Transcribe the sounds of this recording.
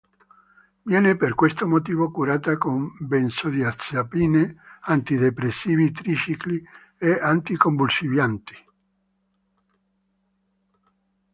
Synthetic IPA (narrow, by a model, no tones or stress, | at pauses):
vjɛːneperkwest̪omot̪iːvokuɾaːt̪akombɛnsod̪iat̪sjapiːneant̪id̪epɾesːiːvit̪ɾit͡ʃikli | eant̪ikombulsivjant̪i̥